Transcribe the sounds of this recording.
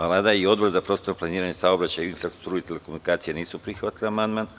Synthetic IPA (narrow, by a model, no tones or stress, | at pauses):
alad̪aio̞d̪bo̞ɾzapɾo̞ːst̪oɾplˠaniːɾaɲesaobɾat͡ɕajinfɾakst̪ɾuːit̪elekomunikaːt̪sijeniːsupɾixʋat̪ilamand̪man